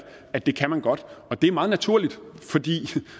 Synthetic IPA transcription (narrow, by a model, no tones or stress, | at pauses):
æd̥e̝kʰæmænɡ̥ɒ̽d̥ɒ̽d̥e̝æɐmɑ̈ːð̩ˠnæt͡sʰuɐ̰lid̥fɒ̽d̥ḭː